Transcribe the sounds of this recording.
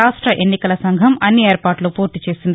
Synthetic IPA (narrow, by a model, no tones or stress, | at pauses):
aːʂʈɾɐʔenːikɐlɐsɐŋɡʱɐmɐnːieːɾpaːʈloːpoːɾt̪it͡ʃe̞ːsind̪